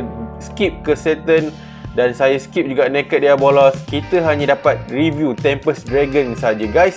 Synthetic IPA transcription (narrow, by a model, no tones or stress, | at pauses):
skip̚kəsɛt̪ən | dansajaskip̚d͡ʒuɡanãkət̪̚diabolɔskit̪əɦaɲãdapat̪̚rivjut̪ɛmpəsdɾɛɡənsəɦad͡ʒaɡajs